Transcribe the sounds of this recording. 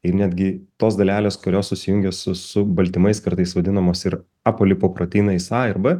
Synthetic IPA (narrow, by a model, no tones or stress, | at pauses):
ɪɾnʲæːd̪ʲɡʲɪt̪oːsd̪ɐlʲæːlʲeːskoɾʲoːssʊsʲɪjʊŋʲɡʲɛsʊsʊbɐlʲt̪ʲɪmɐɪskɐɾt̪ɐɪsʋɐd̪ʲɪnɐmoːsɪɾ | ɑpoːlʲɪpoːpɾoːt̪ʲiːnɐɪsɑːɪɾbɐ